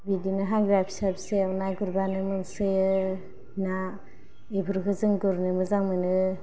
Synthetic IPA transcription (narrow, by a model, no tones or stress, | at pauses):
bidinɯɦaŋɡɾajpʰsapseawnajɡuɾbanɯmɯnsɯjɯ | na | ebʱɯɾkʰɯzɯŋɡɯɾnɯmɯzaŋmɯnɯ